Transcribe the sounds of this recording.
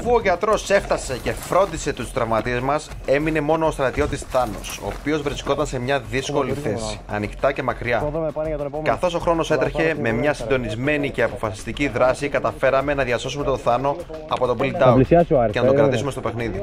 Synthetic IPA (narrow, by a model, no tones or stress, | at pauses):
ɐfuoʝɐt̪ɾo̞se̞ft̪ɐse̞ce̞fɾo̞nd̪ise̞t̪ust̪ɾɐvmɐt̪ie̞zmɐs | e̞mine̞mo̞no̞ːst̪ɾɐt̪io̞t̪isθɐno̞̰so̞̰ːpio̞zvɾisko̞t̪ɐnse̞mɲɐðisko̞liθe̞si̥ɐ̰nixt̪ɐce̞mɐkɾiɐ | kɐθo̞so̞xɾo̞no̞se̞t̪ɾeçe̞me̞mɲɐsind̪o̞nizme̞nice̞ɐpo̞fɐsi̥st̪iciðɾɐsikɐt̪ɐfe̞ɾɐme̞nɐðiɐso̞sume̞t̪o̞θɐno̞ | ɐpo̞t̪oblit̪ɐɐplisɐsenɐt̪oɡɾɐt̪isumest̪o̞pexniði